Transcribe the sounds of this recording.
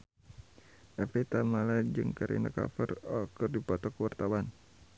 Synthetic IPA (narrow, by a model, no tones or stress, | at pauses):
ʔɛfɛt̪amalad͡ʒɨŋkaɾḭna̰ka̰fərɔkɨrdipɔt̪ɔkəwart̪awan